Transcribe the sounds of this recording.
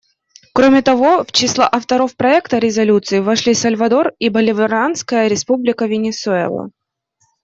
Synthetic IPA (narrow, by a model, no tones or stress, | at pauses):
kɾomʲɪt̪ɐvo̞ft͡ɕɪslˠa̰ʔɐft̪ɐɾo̞fpɾɐɛkt̪əɾʲɪzɐlʲut̪sɨɪvɐʂlʲisɐlʲvɐd̪o̞ribəlʲɪvɪɾanskəjəɾʲɪspublʲɪkəvʲɪnʲɪsʊɛ̰lˠə̰